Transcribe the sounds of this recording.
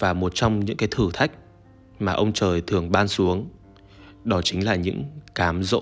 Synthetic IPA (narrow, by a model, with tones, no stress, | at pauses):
vaː˨˩mo˨˩t̚t͡ɕɔ˧wŋ͡mɲɨ̰˧˥ŋkaː˨˦jt̪ʰɨ˧˩t̪ʰa˦˥jk̟̚ | maː˨˩ʔə˧wŋ͡mt͡ɕəː˨˩jt̪ʰɨ˨˩əŋɓaː˧nsu˨˦əŋ | ɗɔ˨˦t͡ɕï˨˦ŋlaː˨˩ɲɨ̰˧˥ŋkaː˨˦mzo̰˧˥